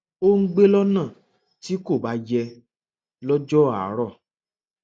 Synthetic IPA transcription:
o˦ŋ̩˦ɡ͡be˦lɔ˦nãː˦˨ | ti˨˦ko˦˨ba˨˦jɛ˧ | lɔ˦d͡ʒɔ˦a̰˨˦ɾɔ˦˨

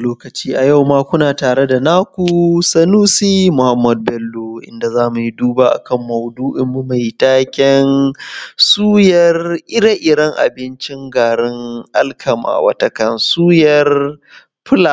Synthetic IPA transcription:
loː˦kɐ˨t͡ʃiː˦ʔa˨ja˦˨wmaː˦kʷʊ˦naː˨taː˨ɽe˦da˨naː˦kʷu˨sɐ˦nuː˦siː˦mʊ˨ha˦mːɐ˨d̚bɛ˦lːoː˦ʔɪ̰˦nda˨zaː˦mu˨ji˦duː˦baː˦ʔa̰˨kɐ˦mːɐ˨wduː˦ʔɪ˦mːu˦ma˨jtaː˦kʲɛ˦n | suː˦jɐ˨rʔɪ˦ɽa˦ʔɪ˨ɽɐ˦ŋʔa̰˨bɪ˦nt͡ʃɪ˦ŋɡaː˨ɽɪ˦ŋʔa˦lkʰɐ˨ma̰ː˨wɐ̰˦tɐ˦kɐ˦nsuː˦jɐ˨r | ɸʰʊ˦la˨

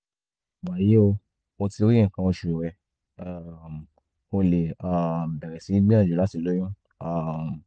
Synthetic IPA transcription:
ɡ͡ba˨ɾi˨˦e˦o˧ | o˧ti˧õ˦ɛ̃˦˨kã˧wõ˧ʃu˨ɾo˨wɛ˧ | a˨m˨ | o˧le˨a˨m̩˨bɛ˨ɾɛ˨sĩ˨˦ɡ͡bĩ˦ã˦˨d͡ʒu˨la˨˦ti˦˨lo˨˦j̃ɔ̃˦ | a˨m˨

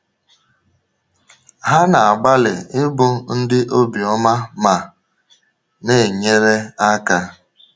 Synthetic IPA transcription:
ɦa˦na˨a˨ɡ͡ba˦lɪ˨ɪ˦bʊ˦n̩˦dɪ˦ʔo˦bi˨ɔ˦ma˦ma˨ | ne˦˨ɲe˦ɾe˦a˦ka˦

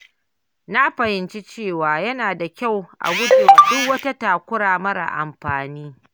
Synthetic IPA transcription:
na˦ɸɐ˨hɪ˨˦nt͡ʃi˦t͡ʃeː˦˨waː˨jɐ˦naː˨da˨kʲa˦˨wʔa̰˨wʊ˦deː˨ʔdʊ˦kwɐ˦ta˦taː˨kʷʊ˦ɽaː˨mɐ˦ɽa̰˨ʔa̰˨mɸaː˨niː˦

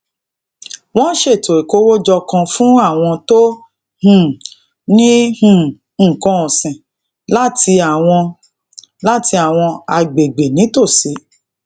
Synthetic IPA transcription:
w̃ɔ̃˦ʃe˦˨to˨e˨ko˦wo˦d͡ʒɔ˧kã˧fũ˦a˦˨w̃ɔ̃˧to˦ | hũ˨ | nĩ˦hũ˨ | ŋ̩˦˨kɔ̃˧ɔ̃˨sĩ˨ | la˦tʰi˧a˨w̃ɔ̃˧ | la˦ti˧a˨w̃ɔ̃˧a˧ɡ͡be˨ɡ͡be˨nĩ˨˦to˦˨si˨˦

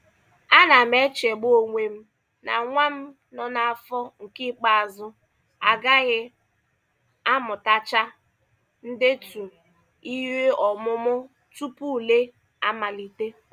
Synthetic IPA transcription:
a˦na˨m̩e˦t͡ʃe˨ɡ͡bo˦˨ŋʷe˨m̩˦ | na̰˨ŋʷa˦m̩˦ | nɔ˦na˨a˨fɔ˦ŋ̩˨ki˦k͡pa˦a˨zʊ˦ | a˨ɡa˦ɣɪ˦ | a˦mʊ˨ta˦t͡ʃa˦ | n̩˦dɪ˦tu˨ | i˦we˦ɔ˨mʊ˦mʊ˦ | tu˦pu˦˨le˦ | a˦ma˨li˨te˦

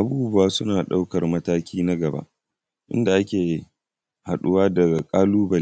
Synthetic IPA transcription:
ʔa˨buː˦bʊ˦waː˦sʊ˦naː˨ɗa˦wkɐ˨rmɐ˦taː˦kʲʰiː˦na˦ɡɐ˨ba̰˦ʔ | ʔɪ̰˦nda˨ʔa˦kʲeː˨ | ha˨ɗʊ˦waː˦dɐ˨ɡa˨kʼaː˦luː˦bɐ˨˦

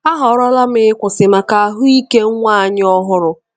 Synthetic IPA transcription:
a˦ɦɔ˨˦ɾɔ˦la˦m˦ɪ˦ɪ˦kʷʊ˨sɪ˨ma˨ka˨a˦ɦʊ˦i˦ke˦ŋ̩˦ŋʷa˦a˨ɲɪ˦ɔ˦ɦʊ˦ɾʊ˦

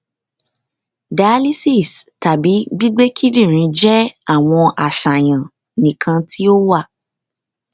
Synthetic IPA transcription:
da˨a˦li˦si˦˨sta˨bi˨˦ɡ͡bi˦ɡ͡be˦kʰi˦ɾĩ˦˨ɾ̃ĩ˧˦d͡ʒɛ˦a˦˨w̃ɔ̃˧ʔa˨ʃa˨j̃ã˨ | nĩ˨kʰã˧tʰi˦o˦wa˦˨

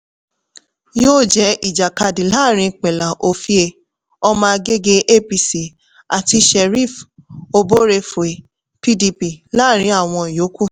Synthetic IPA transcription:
joː˦˨d͡ʒɛ˨˦ʔi˦˨d͡ʒa˨ka˧dĩ˨la˦˨ɾ̃ĩ˧k͡pɛ˨la˨ʔo˨fi˧˦e˧ | ɔ˧mãː˧ɡe˦ɡe˦ʔe˦pi˧si˨ | a˨ti˧ʃɛ˨ɾi˦˨fo˧bo˦ɾe˧fo˨e˨ | pi˧di˧pi˧˨la˦˨ɾ̃ĩ˨˦a˦˨w̃ɔ̃˧˨jo˨˦ku˦˨

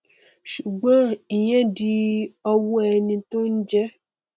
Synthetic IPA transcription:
ʃu˨ɡ͡bã˦i˨ɲɛ̃˦di˦ɔ˦wu˦ɛ˨nĩ˨t̪õ˦n̩˦d͡ʒɛ˦

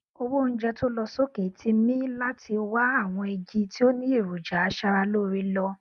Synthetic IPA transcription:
o˧wo˦˨n̩˦d͡ʒɛ˦to˦lɔ˧so˦ke˨tʰi˧mĩ˦la˦tʰi˧wa˦a˦˨w̃ɔ̃˧e˧d͡ʒi˧tʰi˦o˦nĩ˦e˦˨ɾu˨d͡ʒa˨a˨˦ʃa˧ɾa˧lo˦˨ɾi˦˧lɔ˧

